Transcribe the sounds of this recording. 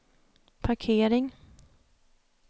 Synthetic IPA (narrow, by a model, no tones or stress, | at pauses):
pʰaɾkʰeːɾɪŋ